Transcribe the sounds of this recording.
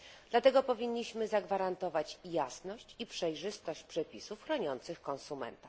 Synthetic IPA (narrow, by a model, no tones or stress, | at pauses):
d̪̥lat̪ɛɡɔpɔvʲiɲːiɕmɘzaɡvaɾant̪ɔvat͡ɕjasnɔɕt͡ɕipʂɛjʐɘst̪ɔɕt͡ɕpʂɛpʲisufxɾɔɲɔnt̪sɘxkɔnsumɛ̰nt̪a